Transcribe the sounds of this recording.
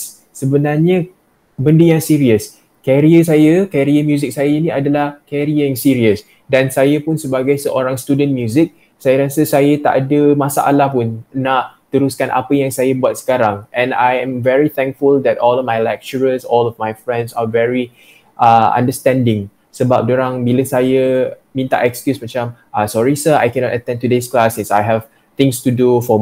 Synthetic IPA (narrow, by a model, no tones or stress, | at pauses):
səbənarɲə | bəndəjãŋsiɾiəs | kɛɾiəs̬ajəkɛɾiəmjuzik̚sajəinĩadəlahkɛɾiəãŋsiɹiəs | dãnsajəpunsəbaɡajsəʔoɾãŋst̪udə̃nmjuzik̚ | sajaɾasəsajət̪a̰ʔadəmasa̰ʔa̰lahpunnaʔt̪əɾuskanʔa̰pəjaŋsajəbuat̪̚sə̥kaɾãŋʔɛ̃na̰jɛ̃mvɛɹit̪ɛ̃ŋkfuld̪ɛtɔlɔfmajlɛk̚t͡ʃəɹəsɔlɔfmajfɹɛ̃ndsavɛɹi | ʔaã̰ndəstɛ̃ndɪ̃ŋ | səbap̚doɾãŋbiləsajə | mĩnt̪a̰ʔɛkskjusmat͡ʃãm | asɔɹisəa̰jkɛ̃nɔtət̪ɛ̃ntudesklasĩsajɦɛv | t̪ɪ̃ŋstudufɔ